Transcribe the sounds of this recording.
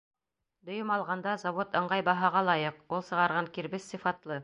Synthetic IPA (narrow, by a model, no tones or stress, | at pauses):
d̪ŏjɤmɑlˠʁɑnd̪ɑzɑvot̪ɤ̆ɴʁɑjbɑɦɑʁɑlˠɑjɤqulˠsɤ̆ʁɑɾʁɑŋkiɾβɘsːifɑt̪lˠɤ